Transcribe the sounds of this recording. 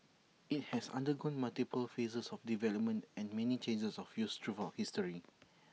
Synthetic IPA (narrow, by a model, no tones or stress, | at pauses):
it̚hɛsã̰ndəɡɔ̃nmaltipəlfesəsɔfdivɛləp̚mə̃ntɛ̃nmɛnit͡ʃẽnd͡ʒəsɔfjustʰɹuvəhistəɹi